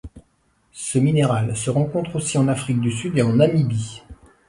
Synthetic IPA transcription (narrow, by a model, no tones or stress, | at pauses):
səmineʁalsəʁɑ̃kɔ̃t̪χosiɑ̃nafχik̚d̪ysyd̪eɑ̃namibi